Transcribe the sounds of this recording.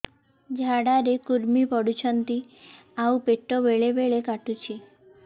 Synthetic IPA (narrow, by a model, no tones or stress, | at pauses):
d͡ʒʱaɽaɾekuɾmipɔɽut͡ʃʰənt̪i | aũpeʈːoʋeɭeʋeɭekaʈut͡ʃʰi